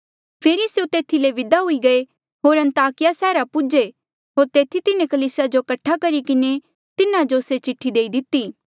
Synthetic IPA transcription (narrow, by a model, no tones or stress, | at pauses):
pʰeːɾisjut̪eːt̪ʰileʋɪd̪aɦʊiɡɐe | ɦoːɾɐ̃nt̪aːkɪjasɛːɾapʊd͡ʒe | ɦoːɾt̪eːt̪ʰit̪ɪnekɐliːsad͡ʒokɐʈʰːakɐɾikɪne | t̪ɪnad͡ʒoset͡ʃɪʈʰːid̪eːid̪ɪt̪ːiː